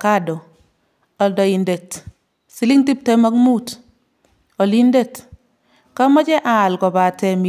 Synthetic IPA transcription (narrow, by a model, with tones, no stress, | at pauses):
ka˦dɔ˨ | ɔ˨ldɔ˨i˨nde˨t | si˨˦li˦ŋti˦p̚tema˦kmu˦t | ɔ˨li˦nde˦t | ka˦mɔ˦t͡ʃɛ˦ʔaː˨lkɔ˨ba˨tɛ˨mi